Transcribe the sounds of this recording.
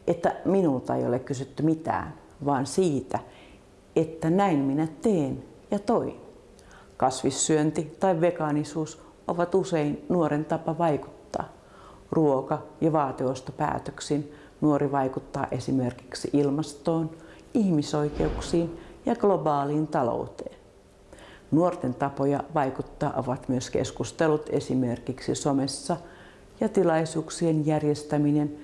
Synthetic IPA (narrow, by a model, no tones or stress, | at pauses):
ʔet̪ːæminult̪ɑḛjo̰lekkysyt̪ːymit̪æ̰ːn | ʋɑːnsiːt̪æ | et̪ːænæinminæt̪eːn | jɑt̪oin | kɑsʋisːyønt̪it̪ɑiʋʋekɑnisuːs | ʔoʋɑt̪useinnuoɾent̪ɑpɑʋɑiku̥t̪ːɑ̰ː | ruokɑjɑʋɑːt̪iost̪opæ̰ːt̪øksin | nuoɾʔiʋɑikut̪ːɑ̰ːʔesimerki̥ksiʔilmɑst̪oːn | ihmisoikeuksiːnjɑɡ̥lobɑːliːnt̪ɑlo̰ut̪eːn | nuort̪ent̪ɑpojɑʋɑikut̪ːɑːʔoʋɑt̪myøskḛskust̪elut̪esimerkiksisomesːɑ | jɑt̪ilɑisuːksienjærjest̪æminen